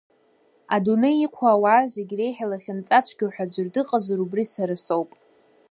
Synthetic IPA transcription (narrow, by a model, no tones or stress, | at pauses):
aduneiqʷʰaːwaːzeɡʲre̞jħalaχʲɪnt͡sʼat͡ʃʷʰɡʲawħʷᶣad͡zʷɨrdɨqʼazaɾubrisaɾɨsowpʼ